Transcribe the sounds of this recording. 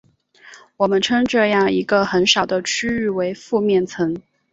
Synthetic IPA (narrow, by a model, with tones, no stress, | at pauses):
wɔ˨˩mə˦nʈ͡ʂʰɤ˥ŋʈ͡ʂɤ˥˧jɑ˥˩ŋi˧˥ɡə˧xə˧˥nʂɑ˨˩ʊd̪ə˦t͡ɕʰy˥y˥˩we˧˥ɪfu˥˧mjɛ˥˩nt͡sʰɤ˧˥ŋ